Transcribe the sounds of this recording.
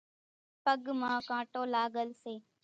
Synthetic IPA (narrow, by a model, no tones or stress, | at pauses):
pəɠmãːkãːʈoːlaːɠəlseː